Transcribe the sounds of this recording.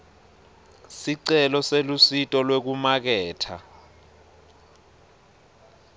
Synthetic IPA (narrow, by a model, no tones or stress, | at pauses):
siǀɛlɔselusitʼɔlwek̬umak̬ɛːtʰa̰